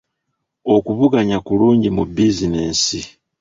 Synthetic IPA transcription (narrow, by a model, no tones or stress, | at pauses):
o̞kuβuɡaɲakuluːɲɟimubizineːnsi